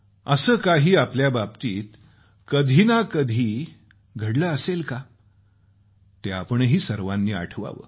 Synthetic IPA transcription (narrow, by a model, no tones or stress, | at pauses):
əsəːkaɦiːapljabab̚t̪iːt̪ | kəd̪ʱinakəd̪ʱiː | ɡʱəɽləəselka | t̪eapəɳɦiːsəɾʋanːiːa̰ʈʰʋa̰ʋə̰ː